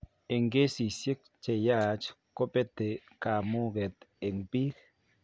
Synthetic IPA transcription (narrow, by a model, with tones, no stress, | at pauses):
e˨ŋɡe˦si˨sje˦k̚t͡ʃe˨ja˦t͡ʃko˦pe˦t̪e˨ka˨mu˦ɡe˨t̪e˨ŋbi˦k